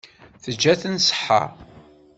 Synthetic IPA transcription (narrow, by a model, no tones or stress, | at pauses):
θəd͡ʒːæθənsə̥ħːa̰